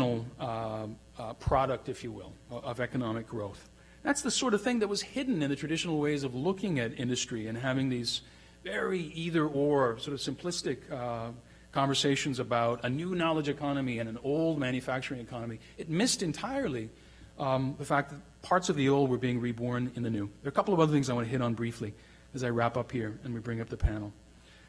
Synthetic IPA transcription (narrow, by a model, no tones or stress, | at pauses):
nl̩ˠ | pʰɹ̥ɑɾɨk̚tɨfjɨwɪ̰lˠʌvɛkɨnɑmɨk̚ɡ̥ɹoʊθ | ðætsðɨsɔɹɾʌv̥θɪ̃ŋðɨt̚wʌz̥hɪdⁿn̩ɨ̃nðɨtʰɹ̥ɨdɪʃn̩l̩ˠweɪzʌvlʊkɪ̃ŋɨɾɪ̃ndɨstɹ̥iɨ̃nɦævɪ̃ŋðiz | vɛɹiiðə˞ə˞sɔɹɾʌv̥sɨ̃mpʰl̥ɪstɨkʰ | ɑ̃ɱvə˞seɪʃɨ̃n̩zəbaʊɾɨnʉnɑlˠəd͡ʒɨkʰɑñɨmiɨ̃nɨ̃noʊlˠd̚mæ̃njɨfæk̚t͡ʃə˞ɪ̃ŋɨkʰɑnɨmi | ɨt̚mɪstɨ̃ntʰaɪə˞lˠi | ðɨfæk̚ðɨt̚pʰɑɹtsʌvðioʊlˠd̚wə˞biɪ̃ŋɹibɔɹnɨ̃nðɨnʉðə˞ɨkʰʌpl̩ˠʌvʌðə˞θɪ̃ŋzaɪwɑ̃ñɨɦɪɾn̩bɹifli | ɨzaɪɹæpʌphiɹɨ̃nwibɹɪ̃ŋʌp̚ðɨpʰænl̩ˠ